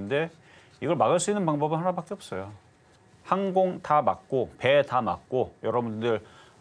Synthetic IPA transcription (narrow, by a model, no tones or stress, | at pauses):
nde̞ | iɡʌɭmaɣaɭs͈uinːɯnpaŋbʌbɯnhanabak͈eʌp̚s͈ʌjo | hanɡoŋtʰamak̚k͈ope̞tamak̚k͈ojʌɾʌbundɯɾ